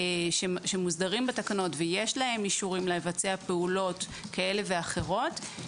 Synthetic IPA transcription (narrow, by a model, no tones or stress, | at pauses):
ʃeʃemuzdaʁimbatakano̞tveje̞ʃlahe̞miʃuʁimleevat͡seapeulo̞t | kae̞le̞ve̞aχe̞ʁo̞t